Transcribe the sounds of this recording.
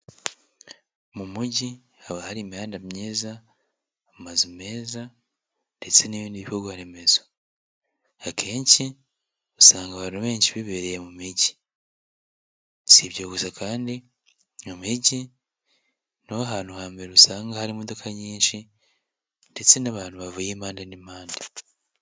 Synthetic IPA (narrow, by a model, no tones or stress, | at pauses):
mumuɟi | aβahaɾimihaːndamɲiːzaː | mazume̞ːza | nde̞t͡se̞niβiːndiβihoɡwahaɾe̞me̞za | akʰe̞ːɲsi | usaːŋɡaβaːnuβe̞ːɲʃiβiβeɾejemumiɟi | siβɟoːβuzakaːndi | mumiɟi | noaɦaːn̥huhaːmbe̞ɾeusaːŋɡahaɾimo̞do̞kʰaɲiːnʃi | nde̞t͡se̞naβaːn̥uβavujeːmaːndenimaːnda